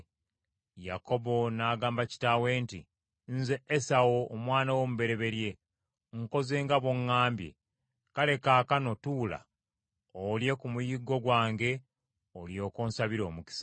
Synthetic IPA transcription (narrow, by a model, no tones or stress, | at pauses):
jako̞bonaːɡaːmbaci̥taːwe̞ːnti | nzeːsawoːmwaːnawomuβe̞ɾe̞βe̞ɾje̞ | ŋko̞ze̞ːŋɡaβo̞ŋːaːmbjḛ | kale̞kaːkano̞tuːla̰ | olje̞kumujiɡo̞ɡwaːŋɡe̞ | oljo̞ːkoːnsaβiɾo̞̰ːmuki̥sḁ